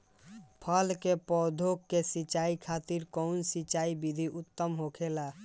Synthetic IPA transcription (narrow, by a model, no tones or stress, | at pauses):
pʰəlkepɔd̪ʱokːesit͡ʃaikʰat̪iɾkɔʊnsit͡ʃaibid̪ʱiʔʊt̪ːəmɦokʰela